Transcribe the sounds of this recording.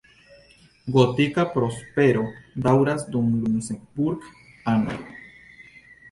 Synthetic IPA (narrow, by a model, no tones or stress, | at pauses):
ɡot̪ikapɾo̞spe̞ɾo̞d̪awɾasd̪umlusembuɾɡ | ano̰